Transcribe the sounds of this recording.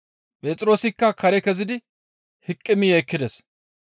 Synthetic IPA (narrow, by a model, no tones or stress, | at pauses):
pʼe̞ːt̪ʼɪɾo̞ːsɪkːɐkɐɾɛkɛzɪd̪ɪ | hɪkʼːɪmɪjɐjkːɪd̪ɛs